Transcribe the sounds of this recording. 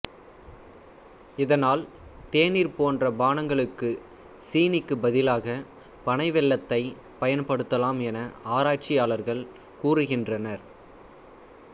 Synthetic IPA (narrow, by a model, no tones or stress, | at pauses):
ɪðɐnaːl | t̪eːniɾpoːndrɐbaːnɐŋɡɐɭɯkːɯ | siːnɪkːɯbɐðɪlaːɣɐ | pɐɳɐɪʋɛɭːɐt̪ːɐɪ | pɐjɐnpɐɽɯt̪ːɐlaːmɛnɐaːɾaːʈ̚t͡ʃɪjaːlɐɾɣɐɭ | kuːrɯɣɪndrɐnɐɾ